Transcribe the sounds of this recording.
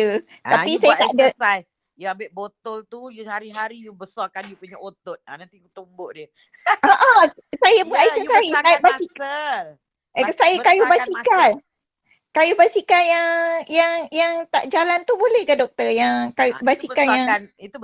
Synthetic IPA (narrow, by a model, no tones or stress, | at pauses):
ut̪apisajat̪aʔdə | jəambɪʔbot̪ɔlt̪ujhaɾiɦaɾijubəsɔkanjupuɲaʔot̪ot̪̚a̰nãnt̪ikut̪umboʔdiə | ʔoʔa | sajabəaisasaiaʔ̚basik | ksajakajubasikan | kajubasikanjaŋjaŋjaŋt̪aʔd͡ʒalant̪ubolɛhkadɔk̚t̪əjaŋkajubasikanjaŋit̪u